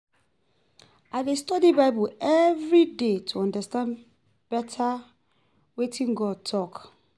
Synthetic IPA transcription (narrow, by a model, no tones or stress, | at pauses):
aɪdestɔdibaɪbuɛvɹidetʰuɔ̃ndastãn | b̥ɛtʰa | wetĩnɡɔd̚tʰɔk